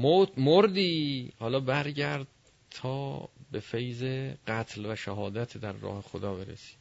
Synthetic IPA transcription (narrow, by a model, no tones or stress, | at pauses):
mot̪moɾd̪iːhɒːlɒːbæɾɟæɾd̪̚ | t̪ʰɒːbe̞fejzeɢæt̪ʰlvæʃæɦɒːd̪æt̪ʰd̪æɾːɒ̰ːhe̞xod̪ɒːbe̞ɾḛsi̥ːd̪̥